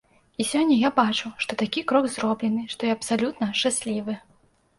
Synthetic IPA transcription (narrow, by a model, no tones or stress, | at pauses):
isʲɔnʲːɐjabat͡ʂuʂt̪ɔt̪akʲikɾɔɡzɾɔblʲɛnɨʂt̪ɔjiɐpsalʲut̪nɐʂt͡ʂasʲlʲivɨ